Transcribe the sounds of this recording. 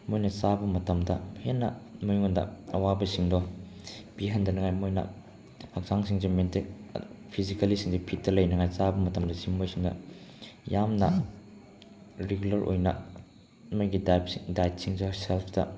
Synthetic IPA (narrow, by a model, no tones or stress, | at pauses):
mojnɐsabɐmɐtɐmdɐhenːɐmujŋondɐ̰ɐwabɐsiŋdɔ | piɦɐndɐnɐŋajmojnɐ̰ | hɐk̚saŋsiŋzementik̚pʰizikɐlisiŋzipʰitːɐlɐjnɐŋajsabɐmɐtɐmdɐsimmojsiŋdɐ̰ | jamnɐ̰ | ɾeɡulɐɾʔo̰jnɐ̰ | mɐjɡidajp̚dajt̚siŋzoselpʰdɐ̰